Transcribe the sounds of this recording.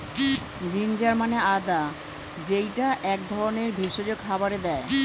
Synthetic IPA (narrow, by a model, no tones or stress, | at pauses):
d͡ʑind͡ʑaɾmanead̪a | d͡ʑejʈaʔɛk̚d̪ʱɔɾoneɾbʱiʃod͡ʑoɡɦabaɾed̪ɛe